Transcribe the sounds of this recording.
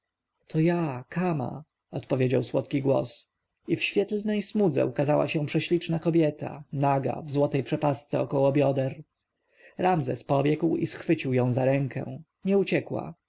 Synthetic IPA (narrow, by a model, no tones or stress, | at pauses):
t̪ʰɔjakʰama̰ | ɔt̪pɔvʲjed͡ʑawswɔt̪kʲiɡwɔ̰s | ifɕfʲjɛt̪lnɛjsmud̪zɛ̰ukazawa̰ɕɛ̃pʂɛɕlʲit͡ʂnakɔbʲjɛt̪a̰naɡa̰vzwɔt̪ɛjpʂɛpast̪sɛɔkɔwɔbʲjɔd̪ɛɾ | ɾamzɛ̰spɔbʲjɛkwḭsxfɘt͡ɕiwjɔ̃w̃zaɾɛŋkʰɛ̰̃ | ɲɛut͡ɕɛkwa̰